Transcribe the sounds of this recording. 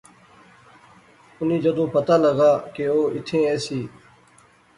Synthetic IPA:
ʊn̤ĩːd͡ʒəd̪õːpət̪aːləɡaːkeːoːɪt̪ʰẽːeːsiː

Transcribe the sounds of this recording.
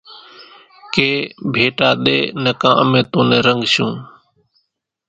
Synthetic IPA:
keːbʱeːʈaːɗ̪eːnəkãːəmẽːt̪õːneːɾəŋɡʃũː

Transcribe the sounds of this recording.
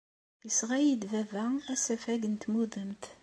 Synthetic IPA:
jəsʁæjid̪vævææsæfæɡənt̪muðˤəmt̪

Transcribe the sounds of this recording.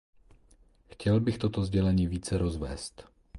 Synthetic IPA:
xcɛlbɪxt̪o̞t̪ozɟɛlɛɲiːviːt͡sɛɾʔozvɛ̰ːst̪

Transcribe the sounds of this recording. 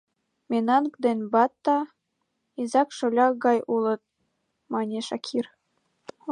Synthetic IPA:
mʲenɑnkd̪enbɑt̪ːɑ | izɑkʃolʲɑɡɑjʔulə̆t̪̚ | mɑnʲeʃɑkʰir

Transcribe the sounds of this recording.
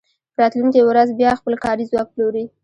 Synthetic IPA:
pəɾɑt̪lunkiwɾazbjɑxpəlkɑɾizwɑk̚ploɾi

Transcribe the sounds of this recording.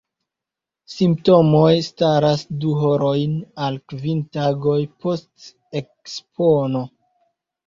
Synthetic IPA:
simpto̞mo̞jstaɾasduɦoɾo̞jnalkvintaɡo̞jpo̞st | e̞kspʰono̞

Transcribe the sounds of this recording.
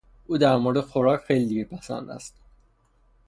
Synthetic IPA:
ʔuːd̪æɾmoɾed̪exoɾɒːcxejlid̪iɡæpʰæsæ̰nd̪æ̰st̪

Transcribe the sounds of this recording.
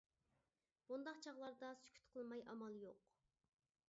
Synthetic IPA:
b̥und̪ɑqt͡ʃʰɑʁlˠɑɾd̪ɑsy̥kʲʰy̥t̪qʰəlˠmɑjʔɑmɑlˠjoq

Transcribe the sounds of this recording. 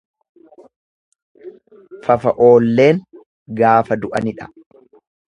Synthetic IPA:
fɐfɐʔo̞ːlːe̞ːŋ | ɡaːfɐd̪ʊʔɐnɪᶑɐ̥

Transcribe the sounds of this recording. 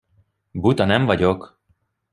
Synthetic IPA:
but̪ɒnɛɱvɒɟo̞k

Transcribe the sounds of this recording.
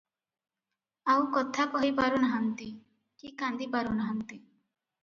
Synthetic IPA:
awkɔt̪ʰakɔɦipaɾunaɦant̪i | kikand̪ipaɾunaɦant̪i

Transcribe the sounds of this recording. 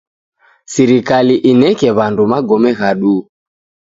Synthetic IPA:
siɾikaliʔinɛkɛβandumaɡɔmɛɣaɗu

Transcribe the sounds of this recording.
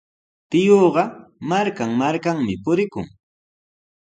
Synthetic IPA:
t̪ɪjoːɢɑmaɾkaŋmaɾkaŋmɪpʊɾɪkʊ̰ŋ

